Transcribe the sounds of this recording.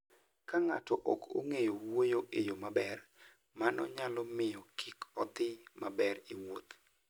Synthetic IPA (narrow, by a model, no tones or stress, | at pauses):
kaŋatɔʔɔkʰo̰ŋejowojoʔejomabɛr | manɔ̰ɲalɔmɪjɔkʰikɔt̪ɪmabɛriwot̪